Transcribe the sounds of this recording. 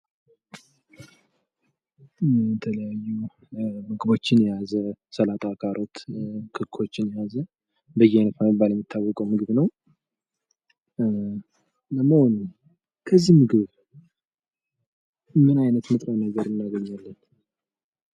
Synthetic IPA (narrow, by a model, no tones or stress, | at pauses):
jɛt̪ʰələjajːu | mɨɡɨbo̞t͡ʃːɪnjɛjazəsəlat̪ʼakʰʼaɾʔo̞t̪kʰɨkʰo̞t͡ʃːɪnjɛjazə | bəjːɛajnət̪mambaljɛmːit̪ʰːawːɔkʼəwmɨɡɨβnəw | ləməho̞n | kʰəzːimɨɡɨβ | mɨnajnət̪mɨt̪ʼɾəwnəɡəɾɨnːaɡəɲːalːən